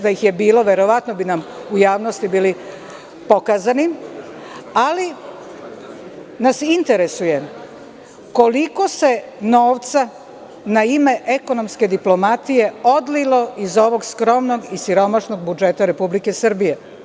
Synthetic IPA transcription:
d̪aixjebiːlo̞ʋeɾo̞ʋat̪nobinamujaːʋno̞st̪ibiːli | po̞kaːzanim | ali | nasint̪e̞ɾesuje | ko̞liko̞se̞no̞ːʋt̪sa | naime̞ʔe̞ko̞no̞mske̞d̪iplo̞mat̪ije̞o̞d̪lilo̞ʔizo̞ʋo̞ɡskɾo̞mno̞ɡisiɾo̞maʃnoɡ̚bud͡ʒe̞t̪aɾe̞publike̞sr̩bije

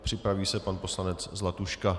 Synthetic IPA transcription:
pr̝̥ɪpɾaviːsɛpanpo̞slanɛt͡szlat̪uʃka

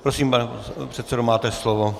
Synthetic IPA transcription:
pɾosiːmpanɛpr̝̥ɛt̪sɛdomaːt̪ɛslovo

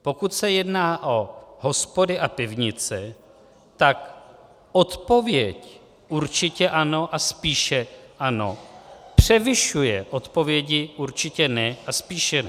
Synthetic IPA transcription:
po̞kut̪sɛjɛdnaːʔo̞ɦo̞spo̞dɪʔapɪvɲɪt͡sɛ | t̪ak | ʔo̞t̪po̞vjɛc | ʔuɾt͡ʃɪcɛʔano̞ʔaspiːʃɛʔano̞pr̝̥ɛvɪʃujɛʔo̞t̪po̞vjɛɟɪʔuɾt͡ʃɪcɛnɛʔaspiːʃɛnɛ

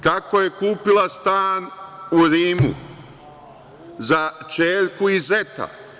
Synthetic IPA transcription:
kako̞je̞kuːpilast̪aːnuɾiːmṵ | zat͡ʃeːʎkuize̞t̪a̰

